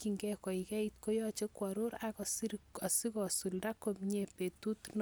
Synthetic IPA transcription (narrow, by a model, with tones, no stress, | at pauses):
kiŋɡɛkɔ˨ikɛ˦it̚ko˦jɔ˦t͡ʃe˦kwaɾo˦ɾakɔ˨siɾa˨si˦kɔ˨su˨lda˦komɲe˨pe˨tu˦tn